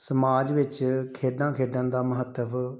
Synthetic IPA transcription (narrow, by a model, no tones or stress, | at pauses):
səmaːd͡ʒʋɪt͡ʃkʰeːɖãːkʰeːɖãːd̪aːməɦət̪ːəʋ